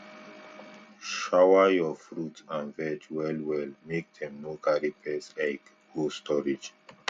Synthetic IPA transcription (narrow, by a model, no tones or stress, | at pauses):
ʃawəjɔfɹutãnvɛd͡ʒwɛlwɛlmek̚dɛ̃mːɔkaɾipʰɛslaɪk | hostɔɹid͡ʒ